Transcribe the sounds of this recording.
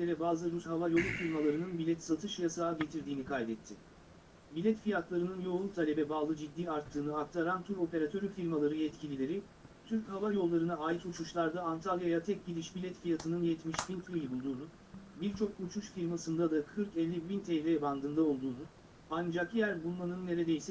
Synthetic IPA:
eɾɛbaːzɯɾushavajo̞lˠufiɾʲmalˠaɾɯnɯnbilʲɛt̪sat̪ʰɯʃjasaːɟet̪ʰiɾd̪iːnikʰajd̪ɛt̪ʰːɪ | bilʲɛt̪fijat̪lˠaɾɯnɯnjo̞lˠt̪ʰalʲebɛbaːlˠɯd͡ʒid̪ːiːaɾt̪ʰːɯːnɯak̚t̪ʰaɾant̪ʰuɾo̞pe̞ɾat̪ʰø̞ɾyfiɾmalˠaɾɯjɛt̪cʰilʲilʲe̞ɾɪ | t̪ʰyɾchavajo̞lˠːaɾɯnaaːjit̪ut͡ʃʰuʃlˠaɾd̪aːnt̪ʰalˠjajat̪ʰɛc̚ɟilʲiʃbilʲɛt̪fijat̪ʰɯnɯnjɛt̪miʃfint̪ɾilʲbulˠd̪uːnu | biɾt͡ʃʰo̞k̚ut͡ʃʰuʃfiɾmasɯnd̪ad̪akʰɯɾkɛlʲːibint̪ʰɛjvʲɛjaband̪ɯːnd̪ao̞lˠd̪uːnu | and͡ʒakjæɾbunˠmanɯnːe̞ɾed̪ejsɛ

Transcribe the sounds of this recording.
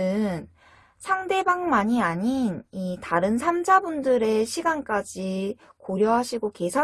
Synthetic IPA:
ɯn | sʰaŋde̞baŋmaɲiaɲinitaɾɯnsʰamd͡ʑʰabundɯɾe̞ɕʰiɡank͈ad͡ʑikoɾjʌɦaɕʰiɡoke̞sʰa

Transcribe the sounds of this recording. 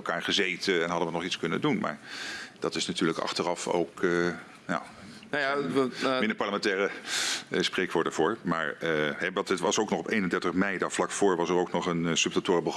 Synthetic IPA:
lˠkaːɹχəzejtəɛnɦɑdəʋənɔχitskɵnə̰ndunma̰ːɹd̥ɑtɪsnatyːɹləkɑ̰χtərɑfo̰wkə | na̰ | ajamɪndəɹpɑɹləmɛntɛːrə | sprejkʋoːɹtdəvʊːɹma̰ːɹɦɛʋɑtətʋɑsowknɔχɔpejnəndɛɹtəχmɛjdavlɑkfʊːɹʋɑsəɾowknɔχənsɵptatʊːrəbəχ

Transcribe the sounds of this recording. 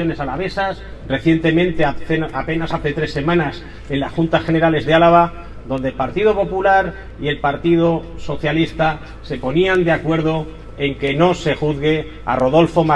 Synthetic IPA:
one̞salaβe̞sas | re̞θje̞nt̪e̞mẽ̞nt̪eape̞nasaθe̞t̪ɾe̞sːe̞mãnas | e̞nlasxunt̪asxe̞neɾale̞zðe̞alaβ̞a | ðo̞nd̪elpaɾt̪iðo̞po̞pulaɾ | ie̞lpaɾt̪ið̞oso̞θjalist̪a | se̞po̞niand̪eakwe̞ɾðo̞ | e̞ŋke̞no̞se̞xuðɣe̞ | a̰ro̞ð̞o̞lfo̞ma

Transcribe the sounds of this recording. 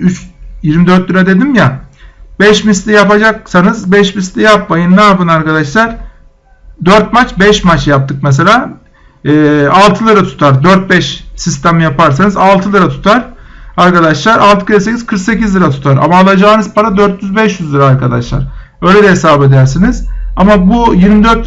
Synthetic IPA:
yt͡ʃjiɾmid̪ø̞ɾt̪liɾad̪e̞d̪imjabɛʃmist̪ʲijapad͡ʒak̚sanɯzbɛʃmist̪ʲijapmajɯnnaapɯnaɾkad̪aʃlˠaɾ̥ | d̪øɾt̪̚mat͡ʃbɛʃmat͡ʃjap̚t̪ʰɯk̚mɛs̬e̞lʲaː | ɛːalˠt̪ʰɯlˠɯɾat̪ʰu̥t̪ʰaɾd̪øɾt̪̚bɛʃsist̪ʰæmijapaɾsanɯzalˠt̪ʰɯlˠɯɾat̪ʰu̥t̪ʰaɾ̥ | aɾkad̪aʃlˠaɾalˠt̪ʰɯ̥kɯes̬ekʲiz̥kʰɯɾksecizlˠɯɾat̪ʰu̥t̪ʰaɾa̰maːlˠad͡ʒaːnɯzpʰaɾad̪øɾt̪jyzbɛʃjyzlˠɯɾaːɾkad̪a̰ʃlˠa̰ɾ̥ | ø̞jlʲɛd̪ɛɦesaːbe̞d̪æɾsiniz̥amabujiɾmid̪øɾt̪

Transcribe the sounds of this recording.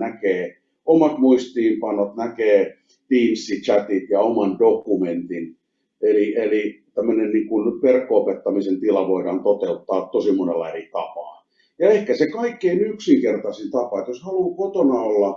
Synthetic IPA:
nækeː | omɑt̪muist̪iːmpɑnot̪nækeː | t̪iːnsːit͡ʃæt̪it̪jɑomɑndokument̪in | elielit̪æmːønenniːŋkunperkːoopet̪ːɑmisent̪ilɑʋoidɑːnt̪ot̪eut̪ːɑːt̪t̪osimːonelːɑerit̪ɑpɑ̰ˑːn | jɑehkæsekɑikːeinyksiŋkert̪ɑsint̪ɑpɑet̪joshɑluːkot̪onɑolːɑ

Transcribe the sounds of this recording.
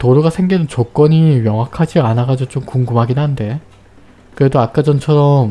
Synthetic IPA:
toɾuɡasʰe̞ŋɡinɯnt͡ɕok͈ʌɲimjʌŋɦakʰad͡ʑianaɡad͡ʑot͡ɕomkuŋɡumɦaɡinɦande̞ | kɯɾe̞doak͈ad͡ʑʌnt͡ɕʰʌɾʌm

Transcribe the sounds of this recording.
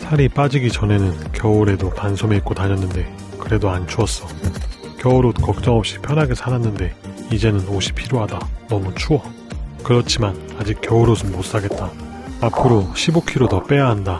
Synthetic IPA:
sʰaɾip͈ad͡ʑiɡit͡ɕʌne̞nɯnkjʌuɾe̞dopansʰome̞it̚k͈otaɲʌnːɯnde̞ | kɯɾe̞doant͡ɕʰuʌs͈ʌ | kjʌuɾokʌk̚t͡ɕ͈ʌŋʌp̚ɕ͈i̥pʰjʌnaɡesʰananːɯnde̞id͡ʑe̞nɯnoɕʰi̥pʰiɾjoɦadanʌmut͡ɕʰuʌ | kɯɾʌt͡ɕʰiman | ad͡ʑik̚k͈jʌuɾosʰommos͈aɡe̞t̚t͈a | apʰɯɾoɕʰibokʰiɾodʌp͈e̞jaɦanda

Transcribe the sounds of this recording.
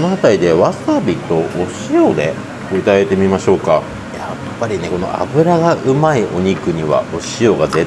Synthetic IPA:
onoɦat̪aɾid̪e̞βasabʲit̪o̞ʔoɕio̞d̪e̞ | oit̪ad̪ait̪e̞mʲimaɕo̞ːka | ja | pːaɾʲine̞ko̞no̞̰ʔa̰bɯ̟ɾaɡaʔɯ̟maiʔo̞ɲ̟ikɯ̟ɲ̟iβa̰oɕio̞ɡaze

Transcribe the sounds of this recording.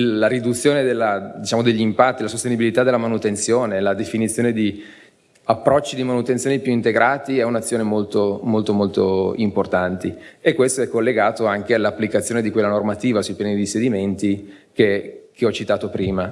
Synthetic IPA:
aɾid̪ut̪sːjoːned̪elːad̪it͡ʃaːmod̪eʎːimpat̪ːilasost̪enibilit̪ad̪elːamanut̪ent̪sjoːnelad̪efinit̪sːjoned̪i | apːɾɔt͡ʃːid̪imanut̪ent̪sjoːnipjuint̪eɡɾʔaːt̪iɛunat̪sːjoːnemolt̪omolt̪omolt̪o̰import̪ant̪iekːwest̪oɛkːolːeɡaːt̪oaŋkealːapːlikat̪sːjoːned̪ikwelːanormat̪iːvasujpjɛnid̪ised̪iment̪ikekeɔt͡ʃit̪aːt̪opɾiːma

